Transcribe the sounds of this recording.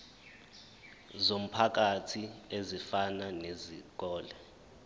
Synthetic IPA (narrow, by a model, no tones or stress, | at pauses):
zom̩pʰak̬atʰiezifananezik̬ɔːlɛ